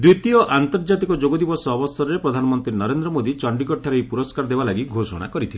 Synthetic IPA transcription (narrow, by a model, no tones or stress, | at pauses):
d̪it̪iɔʔant̪ɔɾd͡ʒat̪ikɔd͡ʒoɡɔd̪ibɔsɔːbɔst̪ɔɾɾepɾɔd̪ʱanɔmɔnt̪ɾinɔɾend̪ɾɔmod̪it͡ʃɔɳɖikɔʈʰːaɾejpuɾɔskaɾɔd̪ebalaɡiɡʱosɔ̰ɽ̃a̰kɔɾit̪ʰile